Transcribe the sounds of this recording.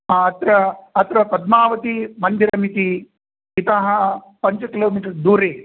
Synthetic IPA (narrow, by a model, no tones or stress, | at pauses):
aɐt̪ɾɐɐt̪ɾɐpɐd̪̚maːʋɐt̪imɐnd̪iɾɐmit̪i | it̪ɐɦɐ | pɐɲt͡ʃɐkiloːmiːʈɐɾd̪uːɾeː